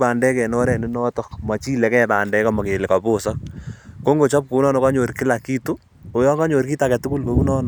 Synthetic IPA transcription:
pa˨ndɛ˦kɛ˨nɔ˦ɾɛ˨ni˦nɔ˦tɔ˦kma˨t͡ʃiː˦lɛ˦kɛ˦ta˨ndɛ˦ka˨ma˨ke˨lɪ˨ka˨po˦sɔ˦k̚ko˦ŋɡo˨t͡ʃɔ˦p̚ko˨u˦nɔ˦nɔ˨ka˦ɲo˨ɾkɪ˦la˨kiː˦tu˦ | o˨jɔ˦ŋɡa˦ɲo˨ɾki˦ta˨kɛ˨tʊ˦ku˦lko˦u˦nɔ˦nɔ˨

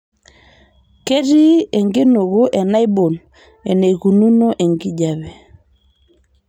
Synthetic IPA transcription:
ke˦ɾi˦e˨ŋɡe˦no˨ɣo˦ʔɛ˨na˦i˦bo˨n | ɛ̰˨ne˨ɣu˨nu˦no˦ʔɛ˨ŋɡi˦d͡ʒa˨βɛ˨

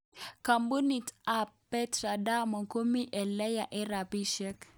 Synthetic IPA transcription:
ka˨mbu˦ni˨ta˦pː | ɛ˦tɾa˨da˦mɔ˨ko˦mi˦ʔɛ˨lɛ˦ja˨ʔɪ˦ɾa˨pi˦ʃɛ˦k

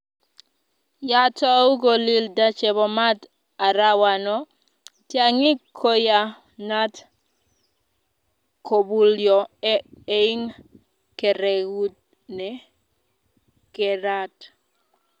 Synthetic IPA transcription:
ja˦ta˦u˦ɡo˨li˦lda˦t͡ʃɛ˨bɔ˨ma˦t | a˨ɾa˦wa˨nɔ˦ | tja˨ŋɪ˦kʰo˦ja˨ | na˦t | ko˨bu˨ljɔ˨ | ei˦ŋ | kɛ˨ɾɛ˨wu˦t̚ | nɛ˦ | kɛ˨ɾa˦t

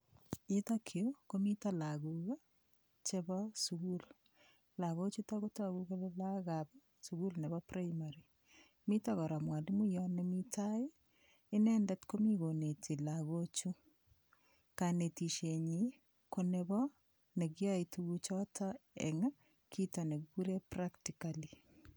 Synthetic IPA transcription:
ita˦kʰe˨o˦komi˦ta˦la˨ɣuɣa˦ | t͡ʃe˦βɔsuɣu˦l | la˨ɣo˦t͡ʃu˦ta˦ko˦ta˦ɣu˦ɣa˦le˦la˦ɣabɔ˦ | su˨ɣu˦lne˨βɔpɾaimaɾi˨ | mi˦taɣɔ˨ɾa˨mwa˨ndi˦mu˦jɔne˦mi˦taeː˦ | nɛndɛ˦tko˦mi˦ɣo˨ne˨tʰi˨laɣo˦t͡ʃu˦ | ka˨ne˨ti˨ʃeɲi | koneβɔ | ne˨ɣja˦ituɣut͡ʃɔ˦tʰaɛ̰ŋ | kʰita˨ne˨ɡuɡu˦ɾe˦praktikali˨

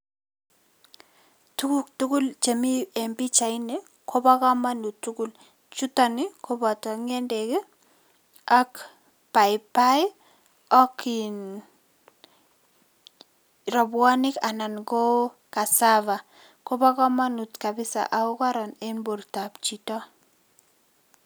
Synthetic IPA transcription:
tu˦ktu˦ku˦lt͡ʃe˨mi˦e˨mbi˦t͡ʃa˨ɪne˦ | kʰo˦ba˦ka˦ma˦nu˨tu˦ku˦˨l | t͡ʃu˦ta˨nɪ˦kʰo˦ba˨tɔ˨ŋe˦nde˨ke˦ | a˦k | pa˨jpa˦j | ɔ˦ki˨n | ɾɔ˨bwa˦nɪ˦ka˨na˨nko˦ | ka˨sava˨ | ko˦ba˦kɔ˦ma˦nu˨tka˨bɪ˦sa̰˨ʔa˨ʊ˦ka˦ɾɔ˨ne˦nbo˨ɾta˨pt͡ʃi˨tɔ˦

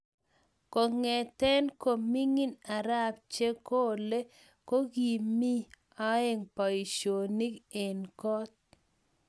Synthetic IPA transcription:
ko˨ŋɛ˨tɛ˦nko˨mi˦ŋi˦na˨ɾa˦p̚t͡ʃe˦ko˦le˦ | ko˦ɡi˨mi˦ | a˦e˦ŋpa˨i˨ʃo˨ni˦ke˨nkɔ˦t̚

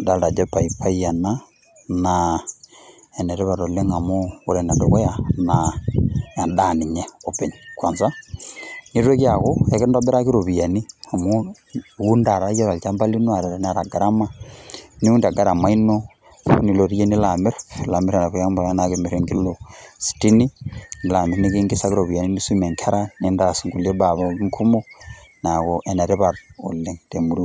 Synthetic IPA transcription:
da˦lda˨d͡ʒe˦pa˨ipʰa˦i˦ja˨na˦ | na | e˨ne˨ɾe˦βa˨ɾo˨le˦ŋa˨mo˦o˨ɾe˨na˨do˨ko˦ja˨na˨ | a˨nda˦˨ni˨ɲe˦o˨pe˨ɲkwa˨nsa˦ | ni˦ɾe˦kja˨ko˦e˨ke˦da˦be˦ɾa˦ki˦ɾo˨βi˨ja˨ni˦a˨mo˦ | wu˦nda˨ɾa˦ja˦βa˨lt͡ʃa˦mba˦li˦no˦a˨ɾa˨ɾe˦n˦a˨ɾa˨ɡa˨ɾa˦ma˦ni˦u˦ndi˨a˨ɡa˦ɾa˨ma˦ino | ni˨loɾi˦je˦nila˨me˦ɾla˨meɾena˨kujaːmbo˨nakemeɾeŋɡilosi̥tini˦ni˨la˨me˨ɾnikiŋɡisakiɾoβija˨ni˦niswime˨ŋkʰe˦ɾanindasiŋɡule˦baβaŋkʰu˦monakoʔene˨ɾeβaɾole˨ŋtemuɾi

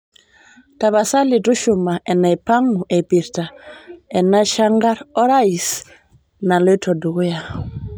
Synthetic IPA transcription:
ta˨βa˨sa˦li˨tu˦ʃʊ˨ma˨ɛ˨na˨i˨pa˦ŋu˨ʔɛ˨pi˨ɾta˨ɛ˨na˦ʃa˦ŋɡa˦ɾɔ˦ɾa˦i˨s | na˨lɔ˦tʰɔ˨du˨ɣʊ˦ja˨

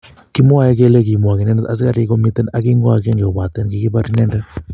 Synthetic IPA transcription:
ki˦mo˦a˨jɛ˦kɛ˦lɛ˦k̬i˨mu˨a˨kɪ˨nɛ˦nɛ˦t̪a˨s̬ɪ˦ka˨ɾi˦ko˦mi˦t̪ɛ˦na˦ki˦ŋɡo˦a˨kɛ˦ŋɡe˨ɔ˨ba˨t̪ɛ˦nki˦ki˦ba˦ɾi˦nɛ˦ndɛ˦

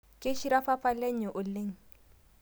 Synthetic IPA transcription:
kʼɪ˦ʃi˦ɾa˦fa˦fa˦le˦ɲ̩˦ɪ˨ʔʊ˨le˦ŋ̩˨

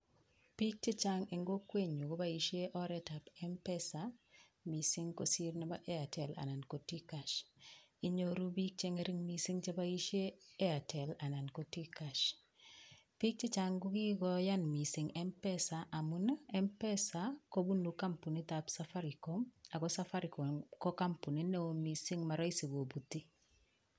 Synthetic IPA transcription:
pi˦k̚t͡ʃe˦t͡ʃa˦ŋɛ˨ŋɡo˦kwe˦ɲu˨ko˦ba˦i˦ʃe˦ʔɔ˦ɾɛta˨pɛ˦mpɛ˦sa˨ | mi˨sɪ˦ŋko˨si˦ɾna˦ba˦ʔɛ˦a˨tʰɛ˨la̰˨na˨nko˨ti˦ka˨ʃi˨ɲo˨ɾu˦bi˦k̚t͡ʃe˦ŋɛ˦ɾi˦ŋmi˦si˦ŋt͡ʃa˦ba˦i˦ʃjeː˦a˨tʰɛ˨la˨na˨nko˨ti˦ka˨ʃ | pi˦k̚t͡ʃi˦t͡ʃaŋɡu˦ki˦ɡojanmisi˨ŋempɛsaʔa˨mu˦nae˦mpɛ˦sako˦bu˦nːuka˦mpu˨ni˦tapsafa˦ɾikoma˨kosafa˦ɾiko˨mko˦ka˦mpu˨ni˦ne˦omisi˦ŋma˨ɾo˦isi˨bo˨butːi˦

